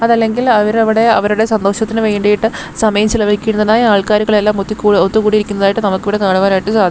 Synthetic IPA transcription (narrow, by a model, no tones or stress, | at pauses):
ɐðɐlːe̞ŋɡilɐʋɐɾɐʋiɽe̞ɐʋɐɾuɽe̞sɐnd̪o̞ːɕɐt̪ːinɨʋeːjɳɖejiʈːɨ | sɐmɐjɐmt͡ɕilɐʋɐikʲːuunːɐðaːjiaːɭkaːɾuɣɐɭe̞lːaːmot̪ːikːuːɽiot̪ːukuːɽiɾikʲːunɐðaːjiʈːɨnɐmukːiʋiɽe̞kaːɳuʋaːnaːjiʈːɨt͡ɕaːd̪ʱikːmː